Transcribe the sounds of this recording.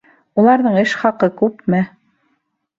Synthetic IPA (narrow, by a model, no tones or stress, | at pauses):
ulˠɑɾðɤɴɘʃχɑqɤkʉpmɘ